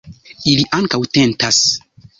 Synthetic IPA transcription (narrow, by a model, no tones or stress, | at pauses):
iliʔaŋkawte̞ntas